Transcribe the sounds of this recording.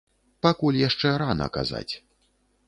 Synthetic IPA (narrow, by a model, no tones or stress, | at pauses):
pakulʲjaʂt͡ʂɛɾanɐ̰ka̰za̰t͡sʲ